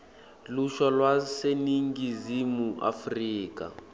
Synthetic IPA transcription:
luʃɔlwaseniŋɡizimuʔa̰friːka̰

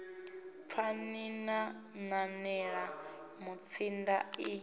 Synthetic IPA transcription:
p̪fʰanina | nanɛɺa | mut͡sʰinda̰i

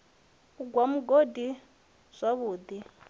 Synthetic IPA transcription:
uɡwam̩ɡodi | z̥ʷaβuːd̪i

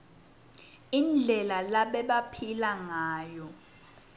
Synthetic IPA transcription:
ind͡ɮʱɛlalaɓɛɓapʰilaŋaːjɔ

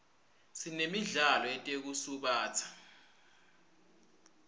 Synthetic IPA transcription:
sinemiɮalɔɛtʼek̬usuɓaːt͡sʰḁ

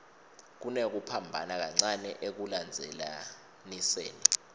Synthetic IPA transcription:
k̬unek̬upʰambʱa̰nak̬aŋ͡ǀanɛʔek̬uland͡zʱɛla̰ | nisḛːni

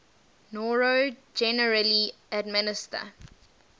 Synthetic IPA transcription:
nɔɹod͡ʒɛnəɹəli | ədmɪnɪstə̰

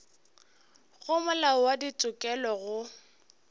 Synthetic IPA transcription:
ɣʊmʊlawadit͡sʼʊkʼɛlɔɣʊ

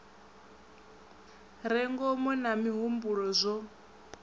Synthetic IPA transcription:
ɾɛŋɡɔmɔnamiɦumbuɺɔzʷɔ

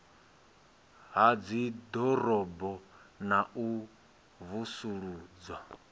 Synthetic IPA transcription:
ɦad͡zid̪ɔɾɔbɔnaʔu | βusuɺuːd͡zwa

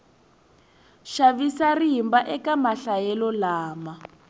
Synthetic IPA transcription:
ʃaβisariɦimbaʔɛkamaɬajɛlɔlaːma

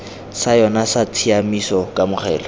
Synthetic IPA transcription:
sajɔnasat͡sʰiamisɔkʼamʊχʰɛːlɔ

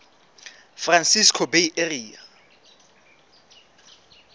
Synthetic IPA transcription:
fransiskʰɔbeiʔeriːa

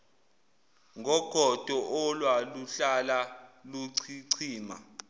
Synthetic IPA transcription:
ŋʱɔɡ̥ʱɔd̥ʱɔʔɔlwaluɬalaluǀʰiǀʰiːma̰

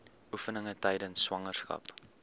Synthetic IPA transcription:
ʔufənəŋətɛjdənsːwɐŋərskɐ̰p

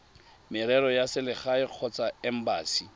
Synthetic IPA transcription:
mɪɾɛɾɔjasɪlɪχaɪq͡χʰɔt͡saɛm̩baːsi

